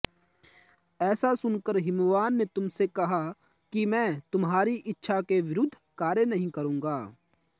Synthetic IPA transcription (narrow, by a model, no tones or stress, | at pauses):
ɛːsasʊnkəɾɦɪmʋaːnːet̪ʊmsekɐɦa | kimɛ̃ːt̪ʊmɦaːɾiʔɪtːʃʰakeʋɪɾʊd̪ʱːkaːɾjənɐɦĩkɐɾũːŋɡaː